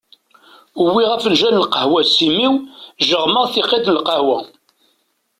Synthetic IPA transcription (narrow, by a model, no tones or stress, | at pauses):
wːiʁæfənʒænəlqəhwæsimiwʒəʁməʁθɪqeðnəlqəhwæ